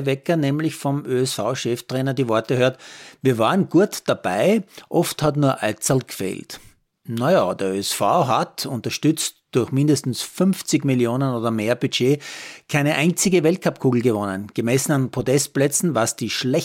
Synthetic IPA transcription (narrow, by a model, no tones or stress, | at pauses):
vɛkɐnɛːmlɪçfɔmʔøːɛsfaʊʃɛftʁɛːnɐdiːvɔɐtəhøːɐtviːɐvaːʁənɡ̥uːɐtd̥ab̥aɪʔɔfthatnuːɐʔalt͡salɡ̥fḛːlt | najaːd̥eɐøɛsfa̰ʊɦatʊ̃ntɐʃtʏt͡std̥ʊɐçmɪ̃ndəstn̩sfʏnft͡sɪçmiljoːnənoːdɐmeːɐb̥yd͡ʒeːkʰaɪnəʔæɪnt͡sɪɡəvɛlt̚kʰapkʰuːɡl̩ɡəvɔnənɡ̥əmɛsn̩anpʁ̥otɛst̚plɛt͡sn̩vasd̥iːʃlɛ